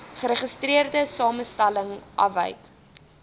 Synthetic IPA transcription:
χəɾəχəstriərdəsɑːməstæləŋʔɐ̰və̰jk

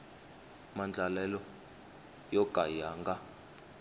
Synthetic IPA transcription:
mand͡ɮʱalɛlɔ | jɔɡ̥ʱʼajaːŋɡa

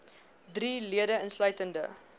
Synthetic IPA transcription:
driliədəənslœɥtəndə

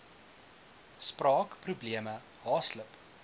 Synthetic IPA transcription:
sprɑːkprubliəmə | ɦɑːsləp

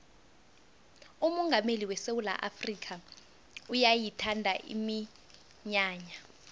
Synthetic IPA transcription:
umɔŋɡʱameliwɛsewula̰ʔafrikʰa | ujajitʰandʱaʔḭmi | ɲaːɲa

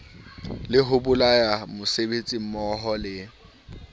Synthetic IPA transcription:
lɪɦʊbʊlajamʊsebet͡sʼim̩mɔɦɔlɪ

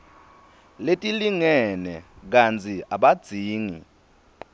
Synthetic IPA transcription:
letʼiliŋɛnɛk̬ant͡sʰʼiaɓad̥z̥ʱiːŋi

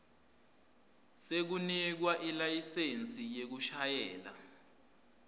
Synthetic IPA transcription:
sek̬unik̬waʔilajisent͡sʼijek̬uʃajɛːla̰

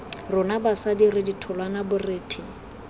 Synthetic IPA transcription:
rʊnabasadirɪditʰɔlwanabʊrɪːtʰɪ

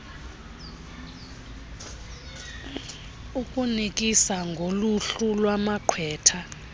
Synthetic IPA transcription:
ukʼunik̬ʼisaŋɡʱoluɬulwamakʰwɛːtʰa

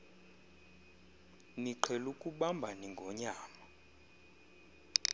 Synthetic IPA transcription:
niǃʰɛlukʼuɓambʱaniŋɡʱɔɲaːma

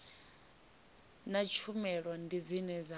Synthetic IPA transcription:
nat͡ʃʰumɛɺwɔndid͡zinɛza

